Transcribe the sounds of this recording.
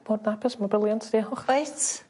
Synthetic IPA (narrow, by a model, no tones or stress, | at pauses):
b̥oːdnapʰɛsmɔbɪlˠjɔntʰd̥ihɔχajt